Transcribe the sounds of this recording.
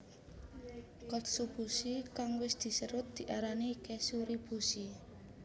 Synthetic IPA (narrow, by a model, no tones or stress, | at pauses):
kɔt̪sub̥usikaŋwɪsd̪̥i̤səɾʊt̪̚d̪̥i̤ʔaɾanikɛsuɾib̥usi